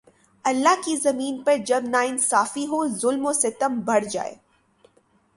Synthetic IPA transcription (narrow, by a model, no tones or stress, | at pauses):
ɐlːaɦkizɐmiːnpɐɾd͡ʒɐbnaːɪnsaːfiɦozʊlmoset̪ɐmbʱɐɽd͡ʒa̰ːḛː